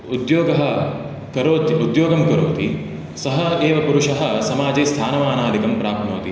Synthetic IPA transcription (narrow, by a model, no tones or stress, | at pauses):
ud̪joːɡɐɦɐ̆ | kɐɾoːt̪iud̪joːɡɐmkɐɾo̰ːt̪i | sɐɦɐeːʋɐpuɾuʂɐɦɐ̆sɐmaːd͡ʒeːst̪ʰaːnɐʋaːnaːlikɐmpɾaːknoːt̪i